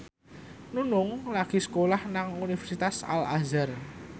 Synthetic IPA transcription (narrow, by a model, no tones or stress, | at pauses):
nunʊŋlaɡ̥i̤sə̥kolahnaŋunifɛrsit̪asa̰la̰zər